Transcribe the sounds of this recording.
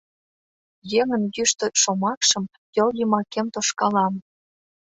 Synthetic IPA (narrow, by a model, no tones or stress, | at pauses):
jeŋə̆njyʃt̪ə̆ʃomɑkʃə̆m | jolɣimɑkemt̪oʃkɑlɑm